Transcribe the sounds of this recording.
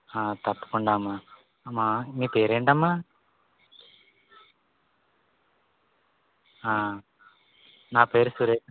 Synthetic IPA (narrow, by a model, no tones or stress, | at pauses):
aːt̪ɐpːu̥kuɳɖaːmːa | mːamiːpeːɾeːɳʈɐmːaː | aː | naːpeːɾusuɾeː